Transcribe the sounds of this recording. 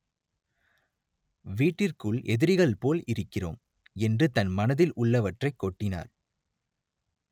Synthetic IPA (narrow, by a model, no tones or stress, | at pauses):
ʋiːʈːɪrkɯɭʔɛðɪɾɪɣɐɭpoːlɪɾɯkːɪro̰ːm | ɛndrɯt̪ɐnmɐnɐðɪlʔʊɭːɐʋɐʈrɐɪkːoʈːɪna̰ːɾ